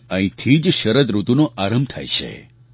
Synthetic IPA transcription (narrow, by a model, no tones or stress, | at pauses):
əɦĩt̪ʰid͡ʒʃəɾəd̪ɾut̪unoʔaɾəmb̚t̪ʰa̰jʃʰḛ